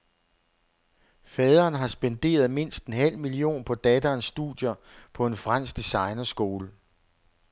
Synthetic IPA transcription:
fɛːð̞ˠɐːnɦɑ̈sb̥end̥e̝̰ːɐð̞ˠme̝n̰sd̥enɦæl̰milio̝̰ːnpʰɒ̽d̥ɛd̥ɐːnsːd̥ud̥jɐpʰɒ̽e̝nfʁan̰sɡ̥̚d̥esɑ̈ɪnɐsɡ̥o̝ːlə

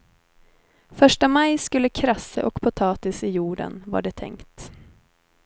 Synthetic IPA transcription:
fœʂʈəmajskɵlːəkʰɾasːə̰ʔɔkpʰʊt̪ʰɑːt̪ɪsɪjuːɖə̰nva̰ɖɛt̪ʰɛ̰ŋkt̪

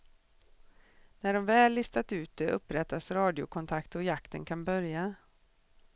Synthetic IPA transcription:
næɖɔmvɛːlːɪst̪at̪ʉ̟ːt̪̚d̪ɛʔɵpːɾɛt̪ːasɾɑːd̪ɪʊ̰kʰɔnt̪ʰakt̪ɔjakt̪ənkʰanbœɾja

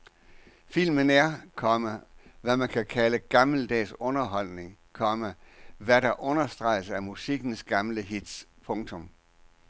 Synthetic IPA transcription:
fil̰mənæɐ̰kʰɒməʋæmænkʰækʰæləɡ̥ɑ̈ml̩d̥ɛ̰ːsɔ̽nɐɦɒ̽l̰ne̝ŋ | kʰɒ̽mæʋæɾɑ̈ʔɔ̽nɐsd̥ʁɑ̈ɪ̰sæɐmusiɡ̥n̩sɡ̥ɑ̈mləɦid̥spʰɔ̽ŋt͡sʰɔ̽m

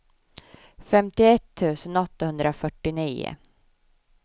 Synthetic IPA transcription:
fɛmt̪ɪɛt̪ʰːʉ̟ːsənɔt̪ːahɵnd̪ɾafœʈːɪniːʊ̰

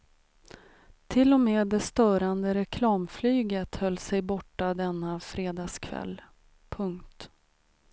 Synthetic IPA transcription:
t̪ʰɪlːɔmeːd̪ɛst̪œːɾand̪əɾɛkʰlɑːmflyːɡət̪hœlːsɛjbɔʈːad̪ɛnːafɾeːd̪ɑːskʰvɛ̰lː | pʰɵŋkt̪

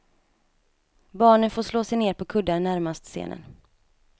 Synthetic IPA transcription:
bɑːɳənfoːʂloːsɛjneːɾpʰɔkʰɵd̪ːaɾɳæɾmast̪sḛːnʔə̰n

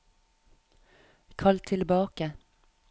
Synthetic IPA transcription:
kʰɑlt̪ʰɪlbɑːkə

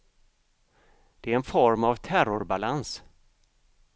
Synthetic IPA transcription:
d̪̥ɛæɾɛnfɔɾmavt̪ʰæɾʊɾbalans

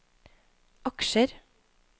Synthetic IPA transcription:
ʔɑkʃəɾ

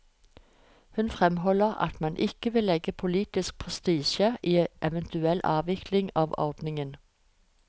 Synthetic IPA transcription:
hʉnfʁɛmhɔləʁɑ̰t̪mɑnʔɪkəʋɪlɛɡəpʰʊliːt̪ɪsk̚pʰʁɛst̪iːʃəʔiːʔɛʋɛnt̪ʰʉɛlʔɑːʋɪklɪŋɑːʋɔ̰ʁd̪nɪŋən

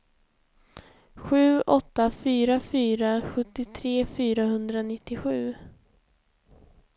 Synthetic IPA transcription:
ɧʉ̟ːɔt̪ːafyːɾafyːɾaɧɵt̪ːɪt̪ʰɾeːfyːɾaɦɵnd̪ɾanɪt̪ːɪɧʉ̟ː

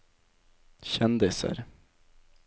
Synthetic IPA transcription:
ɕɛnd̪ɪsə̰ɾ

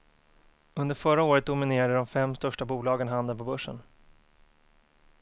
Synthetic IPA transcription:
ɵnd̪əɾfœɾaoːɾət̪̚d̪ʊmɪneːɾad̪əd̪ɔmfɛmːst̪œʂʈabuːlɑːɡənɦand̪ənpʰɔbɵʂːə̰n

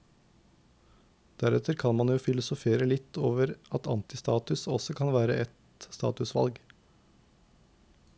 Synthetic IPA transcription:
d̪̥æɾɛt̪ʰəɾkʰɑnmɑnjuːfɪlʊsʊfeːɾəlɪt̪ʰːoːʋəɾɑt̪ɑ̰nt̪ɪst̪ɑːt̪ʉsɔsɔkʰɑnʋæːɾəʔɛt̪ | st̪ɑ̰ːt̪ʉsʋɑ̰lɡ

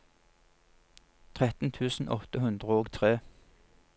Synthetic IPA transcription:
t̪ʰʁɛt̪n̩t̪ʰʉːsn̩ʔɔt̪əhʉnd̪ʁəoːɡt̪ʰʁeː

